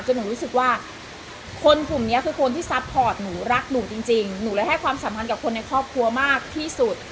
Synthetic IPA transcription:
t͡ɕa˧nuː˩˦ɾuː˦˥sɯ˨˩k̚waː˥˩ | kʰo˧nku˨˩mni˦˥ɐkʰɯː˧kʰo˧nt̪ʰiː˥˩sa˦˥pʰːɔː˨˩t̪̚nuː˩˦ɾa˦˥k̚nuː˨˩ŋt͡ɕi˧ŋt͡ɕi˧ŋnuː˩˦laː˧˦jha˥˩jkʰwaː˧msaː˩˦mpʰa˧nkaː˨˩pkʰo˧nːa˧jkʰɾɔː˥˩p̚kʰɾu˧ɐmaː˥˩k̚t̪ʰiː˥˩su˨˩t̪̚

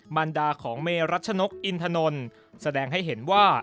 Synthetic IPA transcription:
ma˧ndaː˧kʰɔː˩˦ŋmeː˧ɾa˦˥t̪̚t͡ɕʰa˧no˦˥k̚ʔi˧nt̪ʰa˧no˧n | sa˧dɛː˧ŋɦa˥˩jɦe˩˦nwaː˥˩

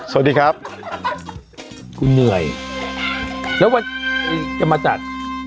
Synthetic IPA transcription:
so˨˩diː˧kʰɾa˦˥p̚ | ku˧nːɯ˨˩əj | lɛː˦˥waː˧a˧jt͡ɕa˨˩maː˧t͡ɕa˨˩t̪̚

